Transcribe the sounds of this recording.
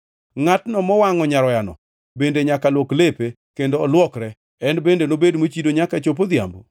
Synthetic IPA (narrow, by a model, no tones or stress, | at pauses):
ŋatnɔmɔwaŋɔɲaɾɔjanɔ̰ | bendeɲakalwɔklepe | kendoːlwɔkɾɛ | ɛnbendenobedmot͡ʃidoɲakat͡ʃop̬od̪ja̰mbo̰